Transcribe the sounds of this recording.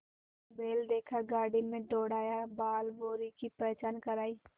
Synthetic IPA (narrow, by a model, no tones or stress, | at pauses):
beːld̪eːkʰaɡaːɽimẽɖoːɽaːjabaːlboːɾikipət͡ʃaːnkəɾaːiː